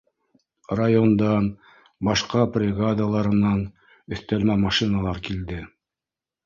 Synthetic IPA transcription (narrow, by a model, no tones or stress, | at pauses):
rajond̪ɑn | bɑʃqɑprʲɪɡad̪alˠɑɾɤ̆nɑn | ɵ̆θt̪ælmæmɑʃinalˠɑɾkild̪ɘ